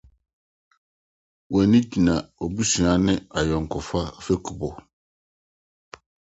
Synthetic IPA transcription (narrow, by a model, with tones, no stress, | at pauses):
wɛ̃˨nĩ˦d͡ʑi˨nã˨ɔ˨bu˦si˨ã˨˦nɪ̃˦a˨jɔ˨ŋ̩˨kʰɔ˨fa˦fɛ˦kʰu˨bɔ˨